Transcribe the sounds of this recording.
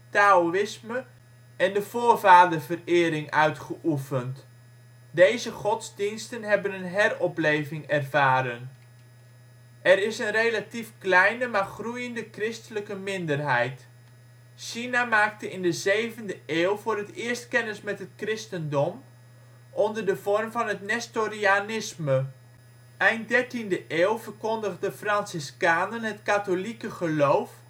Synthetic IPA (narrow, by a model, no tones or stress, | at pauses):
taoɪsmə | ɛndəv̥oːrvaːdərvərɪːɾɪŋœɥtχəʔufənt | dejzəχɔtzdinstənɦɛbənənɦɛrɔplejvɪŋɛrvaːɾən | ʔɛɾɪsənrejlatifklɛjnəmaːrχrujəndəkrɪstələkəmɪndərɦɛjt | ʃinamaːk̚təɪndəzejvəndəʔeːlˠvʊːrətɪəɹstkɛnəsmɛtɦət̚krɪstəndɔm | ʔɔndərdəvɔrmvɑnɦətnɛstorianɪsmə | ʔɛjnt̚dɛɹtindəʔeːlˠvərkɔndəχdəfrɑnsɪskaːnənɦətkatolikəχəlowf